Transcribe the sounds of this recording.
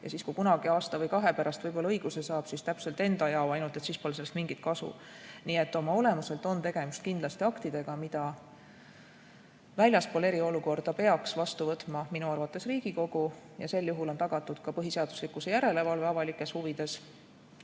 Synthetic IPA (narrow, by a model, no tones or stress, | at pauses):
jɑ̰siːskujkunɑɡ̥iɑːst̪ɑvɤjkɑɦe̞pæɾɑst̪vɤjbo̞lɑɤiɡ̥use̞sɑːb̥sist̪æpse̞lt̪e̞nd̪ɑjɑoɑjnult̪e̞t̪siːspo̞lse̞lːst̪miŋɡ̥it̪̚kɑsṵ | niːe̞t̪ːo̞mɑo̞le̞muse̞lt̪ˑo̞nt̪e̞ɡ̥e̞mist̪kind̪lɑst̪iɑkt̪id̪̥e̞ɡ̥ɑmid̪̥ɑ | vælʲjɑspole̞ɾio̞luko̞rd̪̥ɑpe̞ɑksvɑst̪uvɤt̪ːˑmɑminuɑrvɑt̪ːˑe̞sriːɡ̥iko̞ɡ̥ujɑse̞lːjuɦulo̞nt̪ɑɡ̥ɑt̪ːˑud̪̥kɑpɤɦiseɑd̪̥uslikːˑusejæɾe̞le̞vɑlve̞ɑvɑlikːˑe̞shuvid̪̥e̞s